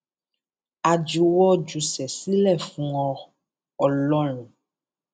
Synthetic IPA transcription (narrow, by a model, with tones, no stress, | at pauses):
a˨d͡ʒu˨wɔ˦d͡ʒu˨sɛ˨si˦lɛ˦˨fũ˧ɔ̃˧ | ɔ˨lɔ˦ɾ̃ũ˨